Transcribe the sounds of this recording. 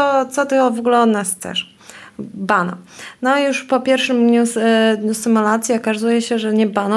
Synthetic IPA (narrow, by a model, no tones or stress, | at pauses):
ɔt̪sɔt̪ɘɔvɔɡulɛɔd̪nast̪sɛ̰ʂ | banɔ̰nɔajuʂpɔpʲjɛɾfʂɘmd̪ɲusd̪ɲusɨmulat̪sʲjiɔkazujɛɕɛʐɛɲɛbanɔ